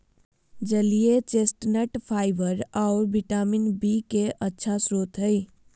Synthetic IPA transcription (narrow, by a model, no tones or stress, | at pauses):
d͡ʒəlijet͡ʃesʈnəʈpʰaɪbəɾaʊɾbiʈaminbikeʔətːʃʰasɾoːt̪ɦəɪ